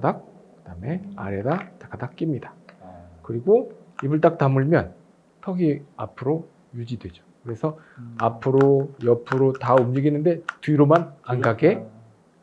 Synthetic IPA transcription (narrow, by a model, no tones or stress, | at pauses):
dak̚kɯd̥ame̞a̰ɾeɾatḁkʰadak̚k͈imɲidḁkɯɾiɡoibɯɭt̬͈ak̚tamɯɭmjʌn | tʰʌɡiapʰɯɾo | jud͡ʑidwe̞d͡ʑo̥kɯɾe̞sʰʌ | apʰɯɾojʌpʰɯɾotaumd͡ʑiɡinːɯnde̞tuiɾomananɡaɡe̞